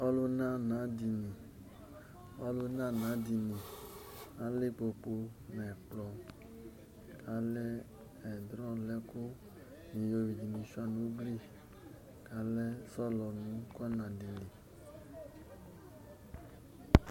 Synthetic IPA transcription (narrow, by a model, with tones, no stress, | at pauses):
ɔ˦lo˦na˦˨nã˨˦di˨nĩ˨ | ɔ˦lu˧nã˦˨nã˨˦di˨˧nĩ˨ | a˨˦le˦k͡po˨k͡po˧nɛ˨k͡plɔ˧ | ka˨˦lɛ˦ | ɛ˨dɾɔ˦lɛ˦ko˦ | nĩ˨jo˧wi˨d͡ʒi˨nĩ˨˦ʃa˧nũ˨˦ɡli˦˨ | ka˨˦lɛ˦sɔ˦lɔ˨nũ˨˦kɔ˦nã˨di˨nĩ˨